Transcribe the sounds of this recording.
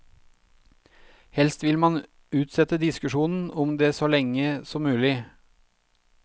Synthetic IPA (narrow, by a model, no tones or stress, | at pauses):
hɛlst̪ʋɪlmɑn | ʉːt̪sɛt̪əd̪ɪskʉʃuːnn̩ɔmd̪eːsɔːlɛŋəsɔmːʉːlɪ